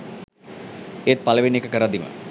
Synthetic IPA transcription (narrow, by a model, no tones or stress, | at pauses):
et̪̚paləʋinekəkəɾad̪imə̰